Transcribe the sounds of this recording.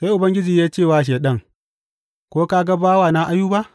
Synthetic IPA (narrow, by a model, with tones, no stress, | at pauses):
sa˦ʔʊ˨bɐ˦ŋɡʲɪ˦d͡ʒiː˨jaː˦t͡ʃeː˦˨waː˨ʃ̬eː˨ɗɐ˦ŋ | kʷoː˦ka˦ɡa˦baː˦waː˨na˦ʔa˦juː˦ba˦ʔ